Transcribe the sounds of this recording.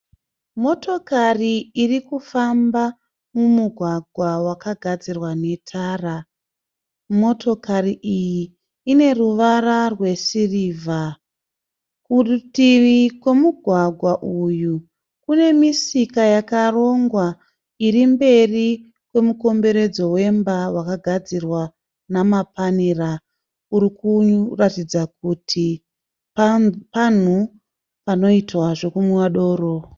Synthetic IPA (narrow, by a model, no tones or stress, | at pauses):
mo̞to̞kariirikufamba | mumuɡʱwaɡʱwawakaɡʱad͡zirwane̞tʰaːra | mo̞to̞kariʔijiː | ne̞ruʋararwe̞siriːvʱa | kutiʋikwe̞muɡʱwaɡʱwaʔuju | kune̞misikajakaro̞ŋɡwa | iɾimbe̞ri | kwe̞muko̞mbe̞ɾe̞d͡zo̞we̞mbawakaɡʱad͡zirwa | namapanira | uɾikuratid͡zak̚utʰi | ppan̤u | pano̞itwaʐo̞kumuwaɗo̞ːɾo